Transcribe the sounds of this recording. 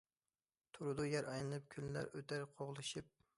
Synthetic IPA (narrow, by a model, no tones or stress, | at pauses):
t̪ʰuɾɨd̪ujɛɾʔɑjnɨnˠɨp̚kʲʰynlæ̰ɾøt̪ʰæɾqʰoʁlˠɨʃɨp̚